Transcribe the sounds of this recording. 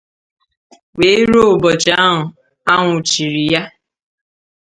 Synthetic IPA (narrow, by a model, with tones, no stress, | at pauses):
we˨˦ɾo˦˨bɔ˨t͡ʃa˦a˦ɦʊ˨ | a˦ŋʷʊ˨t͡ʃi˨ɾi˨ja˦